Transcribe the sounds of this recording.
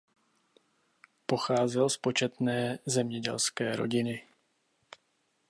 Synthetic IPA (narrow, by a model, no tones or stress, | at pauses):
po̞xaːzɛlspo̞t͡ʃɛt̪nɛːzɛmɲɛɟɛ̰lskɛːɾo̞̰ɟɪnɪ